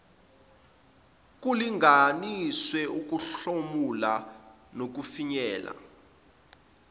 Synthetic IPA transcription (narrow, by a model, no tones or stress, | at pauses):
k̬uliŋɡaniswɛuk̬uɬomula | nok̬ufiɲɛːla̰